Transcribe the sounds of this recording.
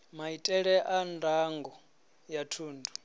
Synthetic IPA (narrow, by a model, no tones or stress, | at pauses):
maitʼɛɺɛʔandʱaŋɡɔ | jatʰuːndʱu